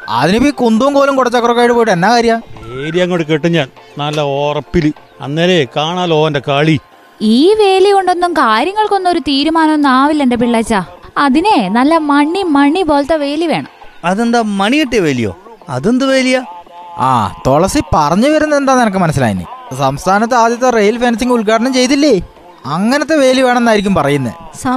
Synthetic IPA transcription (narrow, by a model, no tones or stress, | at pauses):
ɐ̰ðinepːiːkund̪uumkoːlumkuɽɐt͡ɕːokːrokːaːjiʈːɨpoːjiʈːenːaːkaːɾjɐmaeːɾijaːŋːoɽɨk̬eʈːiɲːaːɭnɐlːɐoːrɐpːilɨ | ɐ̰nːeːlekaːɳaːlo̞ːendekaːɭi | iːʋe̞ːliuɳɖo̞nːumkaːɾjɐŋːɐɭko̞nːuo̞ɾut̪iːɾumaːnɐnaːʋilːe̞ndep̬iɭːaːt͡ɕːaːɐðinenɐlːɐmɐɳːimɐɳibo̞ːlt̪ːɐʋe̞ːliʋe̞ːɳɐ̰mɐðend̪aːmɐɳijiʈːijɐʋeːlijo̞̰ːɐ̰ðend̪ɨʋe̞ːlijaa̰ːt̪o̞ɭɐsipɐrɐɲːɨʋɐɾunːɐðe̞nd̪aːnenɐkːɨmɐnɐs̬ːila̰ːjḭnːḭsɐmst̪ʰaːnɐt̪̬ːeaːd̪jɐt̪ːerejɐlfeːnɐs̬iŋɡuɭkaːʈɐɳɐmt͡ɕe̞jt̪̬ːilːe | ɐŋːɐnet̪ːe̞ʋe̞ːliɐʋeːɳɐmenːaːjiɾikʲːumpɐrɐjunːɐ̰sɐ